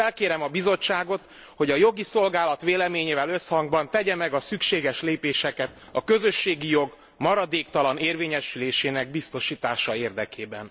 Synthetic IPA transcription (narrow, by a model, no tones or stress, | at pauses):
ɛlkeːɾɛmɒbizo̞t͡ʃːaːɡo̞t̪ | ho̞ɟɒjo̞ɡiso̞lɡaːlɒt̪ʋeːlɛmeːɲeːvɛlø̞shɒŋɡbɒnt̪ɛɟɛmɛɡɒsykʃeːɡɛʃleːpeːʃɛkɛt̪ | ɒkø̞zø̞ʃːeːɡijo̞ɡ | mɒɾɒd̪eːkt̪ɒlɒneːrveːɲɛʃyleːʃeːnɛɡ̚bist̪o̞ʃiːt̪aːʃɒeːrd̪ɛkeːbɛ̰n